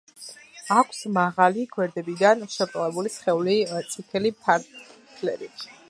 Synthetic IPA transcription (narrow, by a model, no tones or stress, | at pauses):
akʰsmaʁaliɡwɛɾd̪ɛbid̪anʃɛpp̪ʼlɛbulisχɛulit̪sʰʼikʰɛlipʰaɾʰ | lɛ̰ɾi